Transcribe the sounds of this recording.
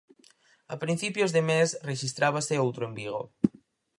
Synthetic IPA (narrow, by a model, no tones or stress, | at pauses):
a̰pɾinθipjozðemesreʃist̪ɾaβ̞aseowt̪ɾoembiɣ̞o̰